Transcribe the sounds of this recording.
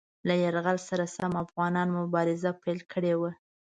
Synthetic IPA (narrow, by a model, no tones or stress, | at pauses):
lajaɾɣalsaɾasamafɣɑnɑnmʊbɑɾɪzapajlkʰəɽewa